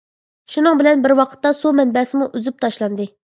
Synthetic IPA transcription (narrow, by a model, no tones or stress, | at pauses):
ʃunɨŋbɪlɛnbɪɾwɑqʰə̥t̪ːɑsumɛnbɛːsɪmuʔyzyp̚t̪ʰɑʃlˠɑnd̪ɨ